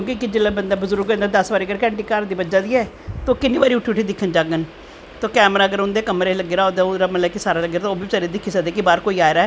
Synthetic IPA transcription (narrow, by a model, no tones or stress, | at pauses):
kõːkɪkɪd͡ʒɪlːãːbənd̪aːbəzʊɾɡnd̪aːd̪əsbaːɾiːɡəɾkɛ̃ːɳʈiːkaːɾd̪iːbəd͡ʒaːd̪iːɛː | t̪oːkɪnːiːbaːɾiuːʈʰuʈʰiːd̪ɪkʰːənd͡ʒaːɡən | t̪oːkɛːmɾaːəɡəɾʊnd̪eːkəmɾeːləɡeːɾaːod̪aːʊɾaːməlɛːkisaːɾaːləɡɾat̪ːoːbiːt͡ʃəɾed̪ɪkʰːisad̪eːkibaːɾkoːiːaːjɾaːɛː